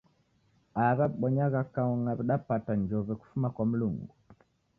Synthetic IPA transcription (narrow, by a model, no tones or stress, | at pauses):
aβaɓɔɲaɣakaɔŋaβiɗapataɲd͡ʒɔβɛku̥fumakwam̩luŋɡu